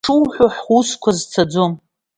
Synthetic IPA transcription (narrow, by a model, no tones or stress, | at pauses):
ʈ͡ʂʰɨwħʷoħuskʷʰazt͡sʰad͡zom